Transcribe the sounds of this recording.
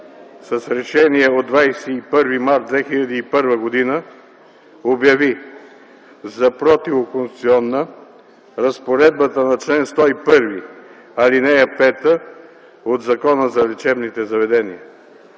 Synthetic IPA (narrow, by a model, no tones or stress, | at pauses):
sɐsɾɛʃɛniɛod̪vajsɛipɤɾvimaɾd̪̚d̪vɛxiʎʲɐd̪iːpɤɾvəɡod̪inə | objɐvi | zɐpɾɔt̪ivokonst̪u̥t̪siɔnːə | ɾɐspoɾɛd̪̚bət̪ənɐt͡ʃlɛnst̪ɔipɤɾvi | ɐlinɛɐpɛt̪ə | od̪zɐkɔnəzɐlɛt͡ʃɛbnit̪ɛzɐvɛd̪ɛniə